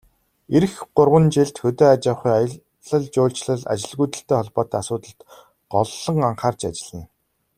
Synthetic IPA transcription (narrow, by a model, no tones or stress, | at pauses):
eɾɘ̆xɢʊrʁə̆nt͡ɕeɮt̪xɵt̪eːat͡ɕăχʊjajə̆ | ɮə̆ɮt͡ɕʊːɮt͡ɕɮə̆ɮa̰t͡ɕɪ̆ɮɣujt̪ə̆ɬt̪eːχɔɮpɔːt̪ːasʊːt̪ə̆ɬt̪ | ɢɔɮːɞ̆ŋaɴχaːrt͡ɕat͡ɕɪ̆ɮĭː